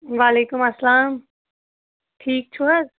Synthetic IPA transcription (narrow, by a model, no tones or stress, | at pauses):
ʋaːleːkʊmɐsːɐlaːm | ʈʰiːk̚t͡ʃʰuɐz